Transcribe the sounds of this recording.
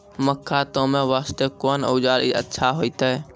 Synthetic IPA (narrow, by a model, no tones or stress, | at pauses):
məkʰːat̪õmẽʋaːst̪ekoːnə̰ːd͡ʒaːɾiə̰tːʃʰaɦoːit̪aɛ